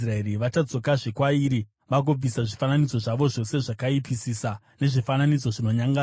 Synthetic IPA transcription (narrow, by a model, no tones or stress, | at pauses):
raeriʋat͡ʃad͡zo̞kaʐekwaiɾi | ʋak̬ob͡visaʐifananid͡zo̞ʐaʋo̞ʐo̞se̞ʐakaipisisa | ne̞ʐifananid͡zo̞ʐino̞ɲaŋɡa